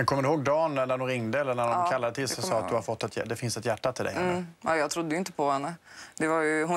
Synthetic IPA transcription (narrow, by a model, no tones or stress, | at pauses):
mɛnkʰɔmːəɾɖɪhoːɡd̪ɑːnnæɖʊnɾɪŋd̪əɛlːəɳædɔmkʰalːad̪ət̪ʰɪlsɔsɑːat̪̚d̪ɵhaɾfɔt̪ːɛt̪jd̪ɛfɪnsɛt̪jæʈːat̪ʰɪld̪ɛ̰jhɛnːəɑjɑːt̪ʰɾʊd̪ːəjʏɪnt̪ə̥pʰɔhɛnːəd̪ɛvaɾjɵɦʊ